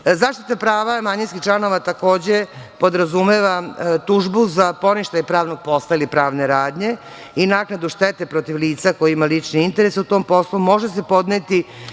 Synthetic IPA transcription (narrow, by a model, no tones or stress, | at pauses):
zaːʃt̪it̪apɾaːʋamaɲinskiht͡ʃlˠano̞ʋat̪ako̞ːd͡ʑe̞po̞d̪ɾazumeʋat̪uʒbuzapo̞niʃt̪aɲepɾaːʋnoɡ̚po̞st̪ailipɾaːʋneɾaːd̪ɲe̞ | inaknad̪uʃt̪et̪e̞pɾo̞t̪iʋliːt̪sako̞jiimalit͡ʃniint̪e̞ɾesut̪o̞ːmpo̞slumo̞ʒese̞po̞d̪net̪i